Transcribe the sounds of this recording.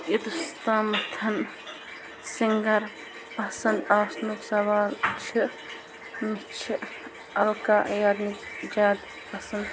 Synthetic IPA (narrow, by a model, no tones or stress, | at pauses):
jid̪ust̪aːmɐt̪ʰɐn | siŋɡɐɾ | pɐsɐnd̪aːsnuksɐʋaːlt͡ʃʰi | mit͡ʃʰi | ɐlkaːʔjaːd̪mid͡ʒaːd̪ | pɐsɐ̃nd̪